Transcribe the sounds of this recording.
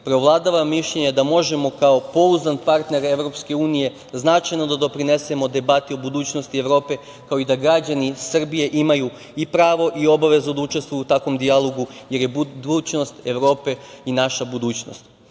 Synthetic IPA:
pɾeoʋlˠad̪aʋamiʃʎeɲed̪amo̞ʒe̞mo̞kao̞po̞uzanpaɾt̪ne̞ɾe̞ʋɾo̞pske̞uːnije̞ | znat͡ʃajno̞d̪ad̪o̞pɾine̞se̞mo̞d̪e̞bat̪io̞bud̪uːt͡ɕnost̪ieʋɾo̞ːpe̞ | kao̞id̪aɡɾad͡ʑanisr̩bije̞ʔimaju | ipɾaːʋo̞ʔio̞baʋe̞zud̪aut͡ʃest̪ʋujut̪akʋo̞md̪ialˠo̞ɡuje̞ɾjebd̪uːt͡ɕno̞st̪eʋɾo̞ːpe̞inaʃabud̪uːt͡ɕno̞̰st̪

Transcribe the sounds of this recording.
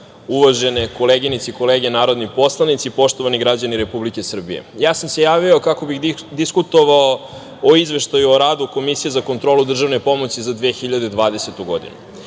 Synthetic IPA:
uʋaʒeneko̞leɡinit̪seiko̞leːɡenaːɾo̞d̪nipo̞slˠanit̪sipo̞ʃt̪o̞ʋaniɡɾad͡ʑaniɾe̞publike̞sr̩bḭje̞̰jaːsamse̞jaːʋiokako̞bixd̪iskut̪o̞ʋao | oizʋe̞ʃt̪ajuoɾaːd̪uko̞misijezakont̪ɾo̞ːlˠud̪r̩ʒavʋnepo̞mo̞sizad̪ʋeːxiʎad̪ed̪ʋaːd̪ese̞t̪uɡo̞̰d̪ḭnu

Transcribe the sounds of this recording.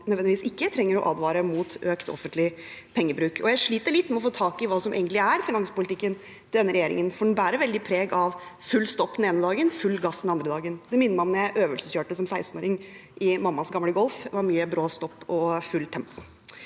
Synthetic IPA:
nœd̪ʋɛnɪʋiːsɪkːət̪ʰɾɛŋːəɾɔ̰ʔɑːd̪ʋɑːɾəmuːt̪øːkt̪ɔ̰fənt̪lɪ | pʰɛŋːəbɾʉːkʰɔjæɪʂɭiːt̪əɭɪt̪ːmɛɔfoːt̪ʰɑːkɪʋɑːsɔmḛːɡənt̪lɪæɾfɪnɑŋspʊlɪt̪ʰɪkːən | d̪ɛnːəɾɛjeːɾɪ̰ŋənfɔɖɛnbæːɾəɾʋɛld̪ɪpʰɾeːɡɑʋfʉlːst̪ɔpːd̪ɛneːnəd̪ɑːɡənfʉlːɡɑsd̪nɑnd̪ɾəd̪ɑːɡənd̪ɛmɪnːəmɑmnjæɪʔøːʋəlsəsçøːʈəsɔmsæɪst̪n̩oːɾɪŋʔɪmɑmːɑsɡɑmləɡɔlˠfʋɑɾmyːəbɾoːst̪ɔpːɔfʉlːt̪ʰɛmpɔ

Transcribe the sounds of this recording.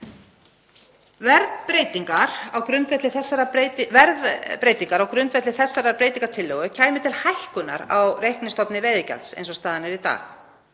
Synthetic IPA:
vɛɾðpɾeːjt̪iŋkaɾ̥awkɾʏnt̪vɛht̪lɪθɛsːaɾaɾevɛɾðpɾeːjt̪iŋkaɾawkɾʏnt̪vɛht̪ɪθɛsːaɾapɾejt̪iŋkḁt̪ʰɪlːɔɣʏcʰaːjmɪt̪ʰɪlhajhkʏnːa̰ɾa̰wrejhknɪst̪ɔpnɪvɛːðɪca̰lsḛjnsɔst̪aːðanɪɾit̪a̰ːx

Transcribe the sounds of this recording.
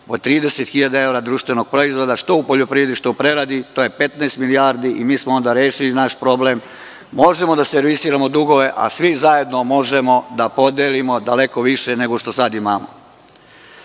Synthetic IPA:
pot̪ɾiːd̪eset̪xiʎad̪ae̞ʋɾad̪ɾuːʃt̪ʋeno̞ɡ̥̚pɾoizʋo̞d̪aʃt̪o̞upo̞ʎopɾiʋe̞d̪iʃt̪upɾe̞ɾad̪it̪o̞je̞pe̞t̪naːst̪miliaɾd̪iʔimiːsmoo̞nd̪aɾjeːʃilinaʃpɾo̞blemː | o̞ʒe̞mo̞d̪aseɾʋisiːɾamo̞d̪uɡo̞ʋe̞ʔa̰sʋizaje̞d̪no̞mo̞ʒemo̞d̪apo̞d̪eːlimo̞d̪ale̞ko̞ʋiʃe̞ne̞ɡo̞ʃt̪o̞sad̪imaːmo̰

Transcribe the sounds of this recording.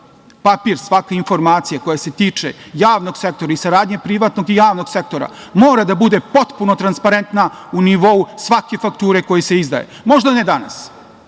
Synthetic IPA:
papiɾsʋakainfo̞ɾmaːt̪sijako̞jase̞t̪iːt͡ʂe̞̰jaːʋno̞ɡse̞k̚t̪o̞ɾaisaɾaːd̪ɲepɾiʋat̪no̞ɡijaːʋno̞ɡsek̚t̪o̞ɾa̰ | moːɾad̪abud̪e̞po̞t̪puno̞t̪ɾanspaɾent̪na | uniʋo̞usʋake̞fakt̪uːɾe̞ko̞jese̞izd̪a̰jḛmo̞ʒd̪aned̪ana̰s

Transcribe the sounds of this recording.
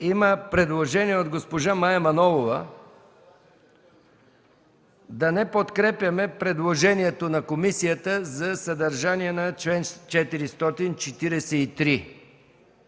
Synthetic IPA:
iməpɾɛd̪lˠoʒɛniɛod̪ɡospoʒamajɛmɐnɔvovə | d̪ɐnɛpot̪kɾɛpʲjɐmɛpɾɛd̪lˠoʒɛniɛt̪onɐkomisijət̪əzɐsɐd̪ɐɾʒaniɛnɐt͡ʃlɛnt͡ʃɛt̪iɾist̪ɔt̪int͡ʃɛt̪iɾɛsɛit̪ɾi

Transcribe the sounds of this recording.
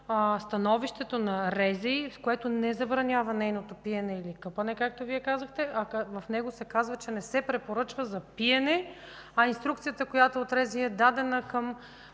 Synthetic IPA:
st̪ɐnɔviʃt̪ɛt̪onɐɾɛziskoɛt̪onɛzɐbɾɐnʲavɐnɛjnot̪opiɛnɛilikɤpɐnɛkak̚t̪oviɛkazəxt̪ɛʔɐkvɐfnɛɡosɛkazvɐt͡ʃɛnɛsɛpɾɛpoɾɤt͡ʃvəzɐpiɛnɛ | ɐinst̪ɾukt̪sijət̪əkojat̪oot̪ɾɛziɛd̪ad̪ɛnəkɐm

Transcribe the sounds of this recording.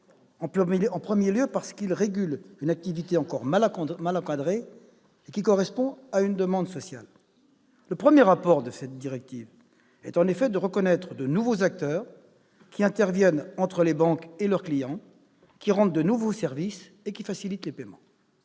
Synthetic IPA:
ɑ̃ɑ̃pχəmjeljøpaʁsə̥kilʁeɡʲylynak̚t̪ivit̪eɑ̃kɔʁmalmalɑ̃kad̪ʁe | ekʲikɔʁɛspɔ̃aynd̪əmɑ̃d̪sɔsja̰l | ləpχəmjeʁapɔʁd̪əsɛt̪̚d̪iʁɛk̚t̪iv | ɛt̪ɑ̃nefɛd̪əʁəkɔnɛt̪χəd̪ənuvozak̚t̪œːʁ | kʲiɛ̃t̪ɛʁvjɛnɑ̃t̪χəlebɑ̃kelœʁklijɑ̃ | kʲiʁɑ̃d̪̚d̪ənuvosɛʁvis | ekʲifasilit̪lepɛmɑ̰̃

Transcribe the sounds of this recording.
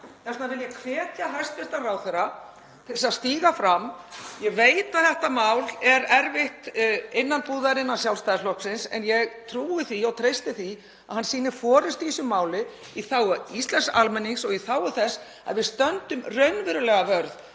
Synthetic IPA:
θɛsnavɪljɛkʰvɛːc̪aɦɛst̪vɪst̪araːwθɛɾa | t̪ʰɪsast̪iːɣafɾamːjɛɣveːjt̪aðθɛht̪amawlɛɾɛɾvɪht̪ɪnːanpuːðaɾɪnːasjawlst̪ajðslɔhksɪnsɛ̰njɛɣt̪ʰɾuːɪθiɔwt̪ʰɾejst̪ɪθi | aðhansiːnɪ̥fɔːɾɪst̪isʏmːaːwlɪ | iθaːwʏist̪lɛnsalmɛnːiŋsɔɣiθaːwʏθɛsː | a̰ðvɪðst̪œnt̪ʏmrœɥnvɪɾʏlɛɣavœɾð

